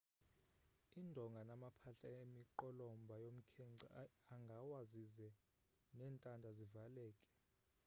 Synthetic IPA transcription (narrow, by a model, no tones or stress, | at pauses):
indʱɔŋɡʱanamapʰaɬaemiǃɔlɔmbʱajom̩kʰɛŋ͡ǀa̰aŋɡʱawazizɛ | nɛːntʼandʱazivalɛːkʼɛ̥